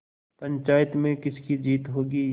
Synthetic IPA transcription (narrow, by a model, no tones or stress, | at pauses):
pɐ̃ɲt͡ʃaːjət̪mẽkɪskid͡ʒiːt̪ɦoːɡiː